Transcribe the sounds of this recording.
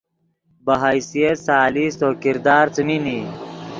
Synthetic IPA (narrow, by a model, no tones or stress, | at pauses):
bɐɦajsijet̪saːlisokiɾd̪aːɾt͡smini